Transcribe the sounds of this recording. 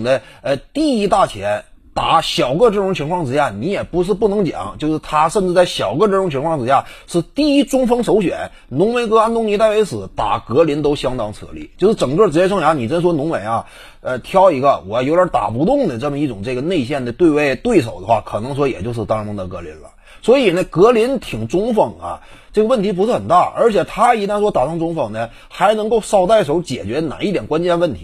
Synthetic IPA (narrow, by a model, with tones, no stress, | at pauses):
ŋd̪ə˦ə˧t̪i˥˩i˥t̪a˥˩t͡ɕʰjɛ˧˥nt̪a˧˥ɕjɑ˨˩ʊɡə˥˧ʈ͡ʂɤ˥˩ʈ͡ʂʊ˧˥ŋt͡ɕʰi˧˥ŋkʰwɑ˥˩ŋʈ͡ʂɻ̩˧˥ja˥˩ni˧˥jɛ˨˩pu˧˥ʂ̬ɻ̩˥˧p̬u˥˩nɤ˧˥ŋt͡ɕjɑ̰˨˩˦ŋt͡ɕjo˥˧ʊʂɻ̩˥˧t̪ʰa˥ʂə˥˧nʈ͡ʂɻ̩˥˧t͡sa˥˩ɪɕjɑ˨˩ʊɡə˧ʈ͡ʂɤ˥˩ʈ͡ʂʊ˧˥ŋt͡ɕʰi˧˥ŋkʰwɑ˥˩ŋʈ͡ʂɻ̩˧˥ɕja˥˩ʂɻ̩˥˧t̪i˥˩i˥ʈ͡ʂʊ˥ŋfɤ˥ŋʂo˧˥ʊɕɥɛ̰˨˩˦n | nʊ˧˥ŋme˧˥ɪkɤ˥a˧˥nt̪ʊ˥ŋni˧˥t̪a˥˩ɪwe˧˥ɪʂɹ̩˨˩t̪a̰˨˩kɤ˧˥li˧˥nt̪o˥ʊɕjɑ˥ŋt̪ɑ˥ŋt͡sʰɤ̰˧˥lḭ˥˩t͡ɕjo˥˧ʊʂɻ̩˥˩ʈ͡ʂɤ˨˩ŋkɤ˥˩ʈ͡ʂɻ̩˧˥t͡ɕjɛ˥˧ʂ̬ʰɤ˥ŋjɑ˧˥ni˨˩ʈ͡ʂə˥nʂ̬wɔ˥nʊ˧˥ŋme˨˩ɪa˧ | ə˧t̪ʰjɑ˥ʊi˧˥ɡə˧wɔ˨˩˥jo˧˥ʊə˞˧˥t̪a̰˨˩pu˧˥t̪ʊ˥˩ŋd̪ə˩ʈ͡ʂɤ˥˩mə˩i˥˩ʈ͡ʂʊ˨˩ŋʈ͡ʂɤ˥˩ɡə˩ne˥˧ɪɕ̬jɛ˥˩nd̪ə˩t̪we˥˧ɪwe˥˧ɪt̪we˥˩ɪʂ̬o˨˩ʊd̪ə˦xwa̰˥˩kʰɤ˨˩nɤ˧˥ŋs̬wɔ˧˥jɛ̰˨˩t͡ɕjo˥˧ʊʂɻ̩˥˩t̪ɑ˥˧ʊ˧˥ŋd̪ə˧˩kɤ˧˥lḭ˧˥nlə̰˧ | swɔ˧˥i˨˩nə˦kɤ˧˥li˧˥nt̪ʰi˨˩ŋʈ͡ʂʊ˥ŋfɤ˨˩ŋɐ̰˧˦ | ʈ͡ʂɤ˥˩ɡə˩˧wə˥˩nt̪ʰi˧˥p̬u˧˥ʂɻ̩˥xə˨˩nt̪a˥˩ʔə˞˧˥t͡ɕʰjɛ˨˩t̪ʰa˥i˧˥t̪a˥˧ʂwɔ˥t̪a˨˩ʈ͡ʂʊ˥ŋʈ͡ʂʊ˥ŋfɤ˨˩ŋnə˦ | xa˧˥ɪnɤ˧˥ŋko˥˧ʊʂɑ˥˧ʊt̪a˥˩ɪʂo˧˥t͡ɕjɛ̰˨˩t͡ɕɥɛ˧˥na̰˨˩ni˥˩jɛ˨˩nkwa˥nt͡ɕjɛ˥˧nwə˥˩nt̪ʰi˧˥